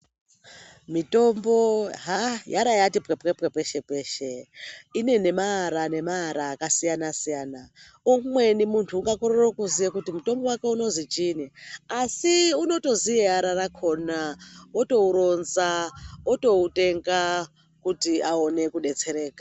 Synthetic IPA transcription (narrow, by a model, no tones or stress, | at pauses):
mito̞mbo̞ɦajaɾajatipkepkepkepeʃepeːʃeine̞ne̞maaɾane̞maɦaɾaːkasijanasijaːna | umwe̞nimuntʰuːŋɡakoɾorokuzijekutimuto̞mbo̞wake̞unozit͡ʃiːniasiuno̞to̞zijeaɾarakʰo̞naoto̞uɾo̞nzaoto̞ute̞ŋɡa | kutiao̞ne̞kuɗe̞t͡se̞ɾe̞ːkḁ